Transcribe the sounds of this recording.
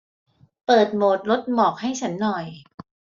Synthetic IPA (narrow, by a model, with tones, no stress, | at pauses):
pɤː˨˩t̪̚moː˨˩t̪̚lo˦˥t̪̚mɔː˨˩k̚ha˥˩jt͡ɕʰa˦˥nːɔ˨˩j